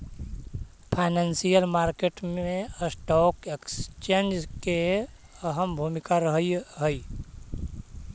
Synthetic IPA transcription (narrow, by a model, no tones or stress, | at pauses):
pʰaɪnansijəlmaɾkeʈmeəsʈɔkekst͡ʃend͡ʒke | əɦəmbʱumikaɾəɦəjɦəi